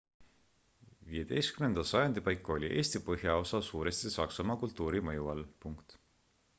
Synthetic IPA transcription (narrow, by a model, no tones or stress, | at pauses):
viːje̞d̪̥e̞jst̪̚kymnend̪̥ɑsɑjɑnd̪̥ipɑjkːˑo̞lʲiʔe̞ːsʲt̪ipɤɦjɑo̞sɑsuːɾe̞st̪isɑksɑmɑkult̪ːuːɾimɤjuɑlpuŋkt̪